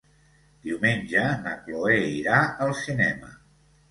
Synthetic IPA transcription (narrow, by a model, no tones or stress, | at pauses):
d̪iwmenʲʒənə̰kloeiɾaəlˠsinɛmə̰